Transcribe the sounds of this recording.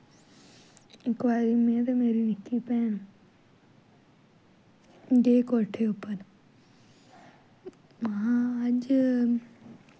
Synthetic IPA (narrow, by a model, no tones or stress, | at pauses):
ɪkʋaːɾimẽt̪ɐmeːɾinɪkʰipeːn | d͡ʒeːkoːʈʰeʊpən | mɐãɐʄ